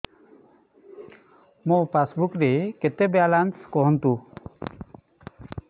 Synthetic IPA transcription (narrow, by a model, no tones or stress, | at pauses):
mopasbukɾeket̪ebalanskɔɦɔnt̪u